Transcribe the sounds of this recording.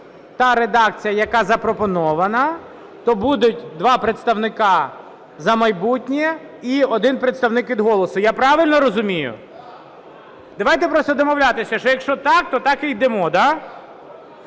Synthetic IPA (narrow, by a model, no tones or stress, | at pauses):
t̪ɑɾed̪ɑk̚t͡sʲijɐjɐkɑzɐpɾɔpɔnɔʋɐnɐ | t̪ɔbud̪ʊtʲd̪ʋɑpɾet̪st̪ɐwnɪkɑ | zɐmɐjbutʲnʲi | iɔd̪ɪnpɾet̪st̪ɐwnɪkʋʲid̪ɦɔlˠɔsʊjapɾɑʋɪlʲnɔɾɔzʊmʲijʊ̰ | d̪ɐʋajt̪ɛpɾɔst̪ɔd̪ɔmɔwlʲat̪ɪsʲɐʃɔjɐkʃt͡ʃɔt̪ɑk̚t̪ɔt̪ɑkɪjd̪ɛmɔd̪a